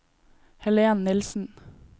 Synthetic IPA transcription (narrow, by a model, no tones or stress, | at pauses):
hɛleːɑnnɪlsn̩